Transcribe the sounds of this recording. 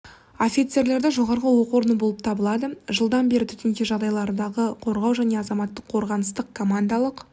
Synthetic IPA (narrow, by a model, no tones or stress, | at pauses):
o̞fʲit̪se̞ɾle̞ɾd̪ɪʒo̞ʁɑɾʁəwo̞qwoɾənəbo̞lˠəp̚t̪ʰɑbəlˠɑd̪əʒəlˠd̪ɑnbe̞ɾɪt̪ʰʏt̪ɪnk̪ʲeʒɑʁd̪ɑjlˠɑɾənd̪ɑʁəqʰo̞ɾʁɑwʒæne̞ɑzɑmɑt̪ːəqʰo̞ɾʁɑnəst̪əqkʰo̞mand̪alˠəq